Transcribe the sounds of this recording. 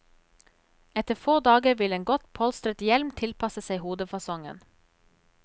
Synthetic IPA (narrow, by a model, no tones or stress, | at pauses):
ɛt̪əfoːʁd̪ɑːɡəʋɪleːŋɡɔt̪pʰɔlst̪ɾət̪jɛlmt̪ʰɪlpʰɑsəsæɪhuːd̪əfɑsɔŋə̰n